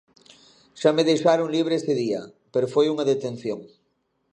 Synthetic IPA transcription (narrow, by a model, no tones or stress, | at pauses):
ʃameðejʃaɾoŋliβ̞ɾeest̪eðia̰ | peɾofojuŋaðet̪ẽn̟θjoŋ